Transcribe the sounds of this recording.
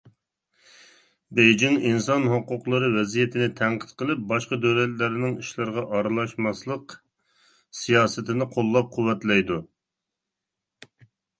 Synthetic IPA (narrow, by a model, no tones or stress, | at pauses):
bejd͡ʒiŋinsɑnɦoqːʊqlˠɨɾɨwɛzijɛt̪ʰɪnɪt̪ʰæŋqʰə̥t̪qʰəlˠɪp̚bɑʃqɑd̪øwlɛt̪læɾɪnɪŋiʃlɨɾʁɑʔɑɾɨlˠɑʃmɑslˠəq | sijɑːsɨt̪ɪnɪqʰolˠːɑp̚qʰʊwːɛt̪lɛjd̪u